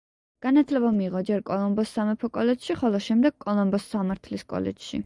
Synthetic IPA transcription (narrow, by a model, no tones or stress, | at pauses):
ɡ̥anat̪ʰlɛbamiːʁɔd͡ʒɛɾkʼɔlˠɔmbɔsːamɛpʰɔkʼɔlɛd͡ʒʃiχɔlˠɔʃɛmd̪ɛɡ̥̚kʼɔlˠɔmbɔsːamaɾt̪ʰliskʼɔ̰lɛ̰̥d͡ʒ̥ʃḭ